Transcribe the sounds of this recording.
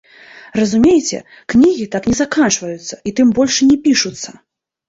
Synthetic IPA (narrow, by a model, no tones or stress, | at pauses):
rɐzumʲejɛt͡sʲɛ̰ | knʲiɣʲit̪aknʲɛzakant͡ʂvɐjut̪sːɐit̪ɨmbɔlʲʂnʲɛpʲiʂut̪sːɐ